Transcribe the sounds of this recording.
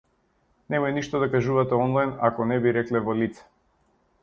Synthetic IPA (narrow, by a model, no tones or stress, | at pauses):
nɛmɔjniʃt̪ɔd̪akaʒuvat̪ɛɔnlˠajnakɔnɛbiɾɛklɛvɔlit̪sɛ̥